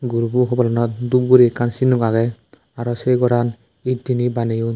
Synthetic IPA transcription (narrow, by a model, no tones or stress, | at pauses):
ɡuɾubuɦɔbɔlɔnɔt̚dub̚ɡuɾikansinukaɡɛ | aɾɔsejɡɔɾan | it̚dinibaneju